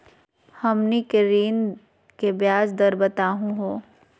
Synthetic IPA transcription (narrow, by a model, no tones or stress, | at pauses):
hɐmnikeɾiːn | kebjaːd͡ʒd̪ɐɾbət̪aːɦũɦoː